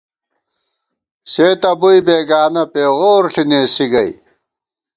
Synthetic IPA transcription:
seːt̪ɐbuibeːɡaːnɐpeːʁoːɾɬineːsiɡɐj

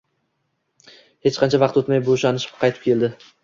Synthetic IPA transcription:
he̞t͡ʃqʰɑnt͡ʃʰavɑqt̪ot̪majboʃanɪʃɪ̥pqʰɑjt̪ɪ̥pkʰʲe̞ld̪ɪ

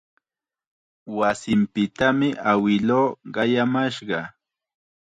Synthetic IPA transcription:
wasɪmpɪt̪amɪʔawɪloːɢɑjamaʃɢɑ

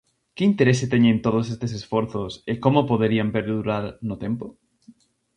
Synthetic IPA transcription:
keint̪eɾeset̪eɲẽnt̪oð̞os̬est̪esesfoɾθosekomopoðeɾiampeɾðuɾaɾnʊt̪empo

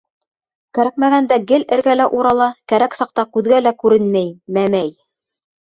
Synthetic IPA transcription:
kæɾæk̚mæɡænd̪æɡɘlɘ̆ɾɡælæʔuɾɑlˠɑkæɾæksɑq̚t̪ɑkʉðɡælækʉɾɘnmæjmæmæj

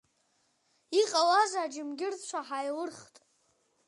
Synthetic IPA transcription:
iqʼawazaːd͡ʒɪmɡʲɪrd͡zt͡ʃʷʰaħajlɨrχtʼ

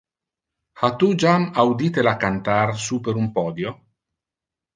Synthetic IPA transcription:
hat̪ud͡ʒamawd̪iːt̪elakant̪arsupeɾumpɔːd̪jo

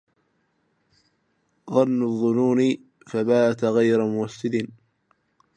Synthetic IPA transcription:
ðˤɑnːʊðˤːʊnuːnɪ | fabaːt̪ɣajɾamʊwasːɪd̪ɪn

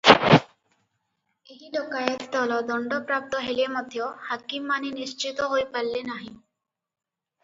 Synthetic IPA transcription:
eɦilɔkajet̪d̪ɔlɔd̪ɔɳɖɔpɾap̚t̪ɔɦelemɔd̪ʱjohakimːaninist͡ʃit̪ɔɦojpalːenaɦĩ

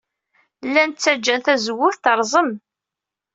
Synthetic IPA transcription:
lːænt͡sːæd͡ʒːænθæzəwːʊθθəɾˤzˤəm

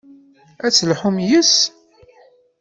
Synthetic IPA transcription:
æt͡sːəlħumjəs

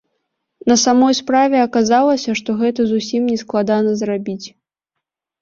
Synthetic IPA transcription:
nɐsamɔjspɾavʲɛɐkazalˠɐsʲɐʂt̪ɔɣɛt̪ɐzusʲimnʲɛsklˠad̪anɐzrabʲit͡sʲ

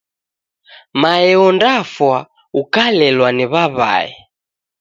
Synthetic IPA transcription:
maɛɔndafwa | ukalɛlwaniβaβa̰ɛ̰

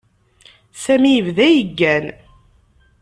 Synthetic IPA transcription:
sæmijəvðæjəɡːæn

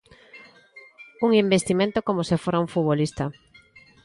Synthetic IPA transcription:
uŋimbest̪imẽnt̪okomosefoɾauɱfuβolist̪ɐ

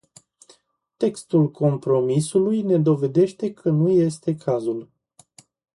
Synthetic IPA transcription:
t̪e̞kst̪ulkʰo̞mpɾo̞misulujne̞d̪o̞ve̞d̪e̞ʃt̪e̞kʰənuje̞st̪e̞kʰazul

